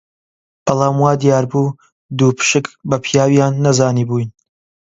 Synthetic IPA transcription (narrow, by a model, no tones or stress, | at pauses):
b̥ɐlˠaːmwaːd̪ijaːɾbuː | d̪uːpʰɨ̥ʃɨkbɐpʰjaːwjaːnːɐzaːniːbuːjn